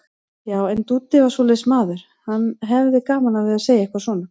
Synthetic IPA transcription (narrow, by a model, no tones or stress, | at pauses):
jaːwɛnt̪ut̪ːɪvaɾ̥sɔlɛsmaːðʏɾ̥ | hanːɦɛvðɪkaːmanavɪðaseːjaihkvasɔːna